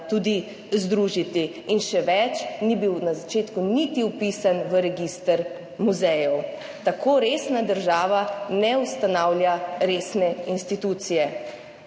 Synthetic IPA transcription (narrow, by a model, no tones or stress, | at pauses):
t̪ud̪i | zd̪ɾuːʒit̪iː | nʃɛʋɛt͡ʃnibiwnazat͡ʃeːt̪kunit̪iupisanʋəɾɛɡist̪əɾ | muzɛjɔw | t̪akoːɾesnad̪əɾʒaːʋanɛust̪anawlʲjaɾesnɛinst̪it̪ut̪sijɛ